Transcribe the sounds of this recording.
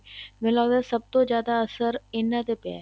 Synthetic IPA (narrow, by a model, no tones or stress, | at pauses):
mẽlaːd̪asɐb̚t̪od͡ʒjaːd̪aɐsəɾɪnːat̪epa̰ː